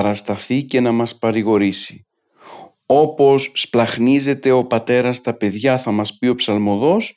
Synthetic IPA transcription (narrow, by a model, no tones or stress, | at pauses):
ɾɐst̪ɐθice̞nɐmɐspɐɾiɣo̞ɾisi | o̞po̞sːplɐxnize̞t̪e̞o̞pɐt̪e̞ɾɐst̪ɐpe̞ðʝɐθɐmɐspio̞psɐlmo̞ðo̞s